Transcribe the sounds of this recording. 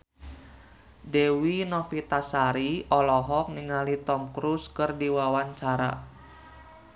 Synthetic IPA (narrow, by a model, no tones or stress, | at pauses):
dewinɔfit̪asaɾiɔlɔɦɔk̚niŋalit̪ɔmkɾuskɨrdiwawaɲt͡ʃaɾa̰